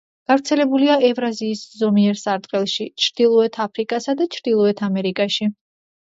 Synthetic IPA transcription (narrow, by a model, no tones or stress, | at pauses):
ɡ̥avɾt̪sʰɛlɛbuliaʔɛvɾaziːszɔmiɛɾsaɾd̪ʼqʼɛlˠʃit͡ʃʰɾd̪ilˠɔɛt̪ʰapʰɾikʼasad̪at͡ʃʰɾd̪ilˠɔɛt̪ʰamɛɾikʼaʃi